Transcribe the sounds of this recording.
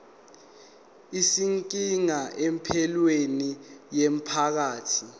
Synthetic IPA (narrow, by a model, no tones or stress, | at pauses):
isiŋkʼiŋaʔɛmpʰɛlwenijem̩pʰak̬aːtʰi